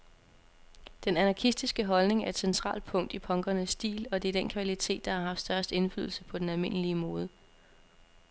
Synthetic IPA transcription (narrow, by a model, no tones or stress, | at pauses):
d̥enænɑ̈kʰisd̥isɡ̥əɦɒ̽lne̝ŋæɐe̝d̥sent͡sʰʁɑ̰̈ːld̥̚pʰɔ̽ŋ̰d̥ipʰɒ̽ŋɡ̥ɐnəsːd̥ḭːlɒ̽d̥e̝d̥en̰kʰʋælit͡sʰe̝̰ːd̥ːɑ̈hɑ̈ɦɑ̈fd̥sd̥ɶɐsd̥e̝nfly̰ðˠl̩səpʰɒ̽d̥enælme̝nəliəmoːð̞ˠə